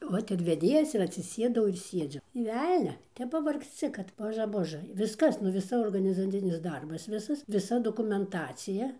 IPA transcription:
ˈʋoːt ɪr ʋʲɛˈdʲeːjɛs ɪr ɐtʲsʲɪˈsʲeːdɐʊ ɪr ˈsʲiɛd͡zʲʊ nʲeː ˈʋʲɛlʲnʲɛ ˈtʲɛp pɐʋɐrksʲˈt͡sʲɪ kɐt ˈboːʒɐ ˈboːʒɘ ˈʋʲɪskɐs nʊ ʋʲɪˈsɐ oːrɡɐnʲɪzɐˈt͡sʲɪnʲɪs ˈdɐrbɐs ˈʋʲɪsɐs ʋʲɪˈsɐ doːkʊmʲɛnˈtɑːt͡sʲɪjɛ

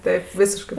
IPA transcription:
ˈtɐɪp ˈʋʲiːsʲɪʃkɜ

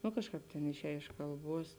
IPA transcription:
nʊ ˈkɑːʃˌkɑːp ˈtʲeːn ɪʃʲˈɛːj ɪʃ kɐlˠˈbuɔs

